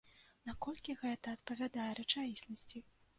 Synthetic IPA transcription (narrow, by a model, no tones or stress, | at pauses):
nakɔlʲkʲiɣɛt̪ɐːt̪pɐvʲad̪ajɛɾɛt͡ʂaisʲnɐsʲt͡sʲi